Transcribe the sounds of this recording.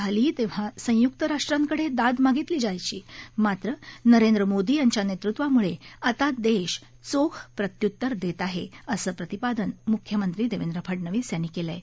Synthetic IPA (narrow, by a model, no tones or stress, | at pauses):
aliːt̪ẽʋ̤asə̃juk̚t̪əɾaʂʈɾãŋkəɽ̤ed̪ad̪maɡit̪liːd͡ʑajt͡ɕiːmat̪ɾənəɾend̪ɾəmod̪iːjaɲt͡ɕjanet̪ɾut̪ʋamuɭeat̪ad̪eɕ | t͡sokʰpɾət̪jut̪ːəɾd̪et̪aɦeəsəːpɾət̪ipad̪ənmukʰjəmənt̪ɾiːd̪eʋend̪ɾəpʰəʈnəʋiːsjanːiːkelə